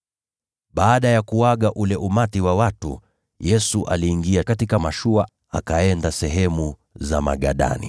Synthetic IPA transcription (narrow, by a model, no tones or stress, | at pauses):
ɓaːɗajakuwaɠaʔulɛʔumatiwawatṵ | jɛsuʔa̰liːŋɡiakatikamaʃua | akaɛndasɛɦɛmu | zama̰ɠa̰ɗa̰nḭ